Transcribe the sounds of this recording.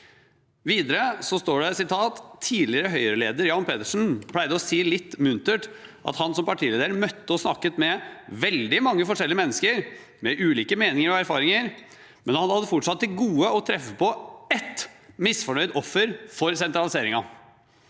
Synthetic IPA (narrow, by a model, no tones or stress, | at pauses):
ʋiːd̪əɾəsɔst̪oːɖɛsɪt̪ʰɑːt̪ʰːiːlɪəɾəɦœʏɾəleːd̪əɾjɑːnpʰeːt̪əʂn̩pʰlæɪd̪əɔsiːlɪt̪ːmʉnt̪əʈʔɑ̰t̪hɑnsɔmpɑʈʰiːleːd̪əɾəmœt̪ːəɔsnɑkːət̪mɛʋɛld̪ɪmɑŋːəfɔʂɛlːɪəmɛnːəskəɾ | mɛʔʉːliːkəmeːnɪŋəɾɔæɾfɑːɾɪŋəɾ | mɛnhɑd̪hɑd̪əfɔʈʂɑt̪ːɪlɡuːəɔt̪ʰɾɛfːəpɔɛt̪mɪsfɔɳœʏd̪ɔfːəɾfɔɾsɛnt̪ɾɑlɪseːɾɪŋɑ